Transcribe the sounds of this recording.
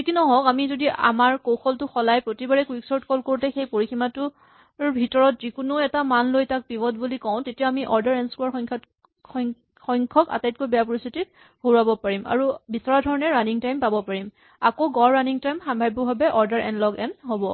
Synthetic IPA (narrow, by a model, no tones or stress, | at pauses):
ekinɔɦɔ̃kamizodia̰maɹkoxɔltʊxɔlajpɹotibaɹɛkwiksɔɹtkɔlkoɹtɛxejpoɹiximatʊ | bʱitɔɹɔt̚zikʊnʊɛtamanlojtak̚pibɔt̚bulikɔ̃ʊ̃tetijaamiʔɔɹdaɹɛnskuaɹxɔŋkʰ | xɔjŋkʰɔka̰tajt̚kojbɛjapɔɹist̪ʰitit̚ | hoɹabɔpaɹima̰ɹubisaɹadʱɔɹɔnɛɹaniŋtajmpabɔpaɹim | akoɡɔɹːaniŋtajmxambʱajbɔbʱabɛʔɔɹdaɹʔɛ̰nlɔɡɛ̰nɦobɔ